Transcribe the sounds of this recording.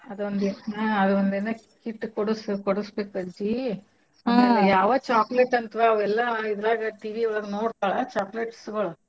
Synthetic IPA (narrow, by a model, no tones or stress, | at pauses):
ɐd̪uond̪eɐɐd̪uʋɐnd̪enɐ | kiʈːkoɽuskoɽusbeːkuɐd͡ʒi | ɐɐjaːʋɐt͡ʃaːkleʈːɐnt̪ʋɐɐʋɛlːɐid̪ɐɾaːɡɐʈiːʋiʋɛɭɐɡnoːɽt̪aːɭɐt͡ʃaːkleʈsɡɐɭɐ